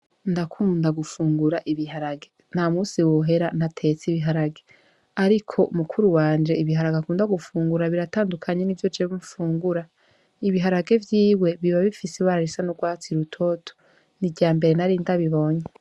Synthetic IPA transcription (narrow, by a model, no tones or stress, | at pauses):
ndakʰuːndaɡufuːŋɡuɾaʔiβiɦaɾaɡe | n̥hamuːsiwoɦe̞ɾan̥hatʰe̞t͡siβiɦaɾaɡe | aɾikʰo̞ʔumukʰuɾuwaːnd͡ʒe̞iβiɦaɾaɡakuːndaɡufuːŋɡuɾaβiɾataːndukʰaɲenivjo̞d͡ʒeβumfuːŋɡuɾa | iβiɦaɾaɡe̞vjiːwe̞βiβaβifiseβaɾaɾisanuɡwaːt͡siɾutʰo̞tʰo̥ | niɟaːmbe̞ɾenaɾiːndaβiβo̞ɲe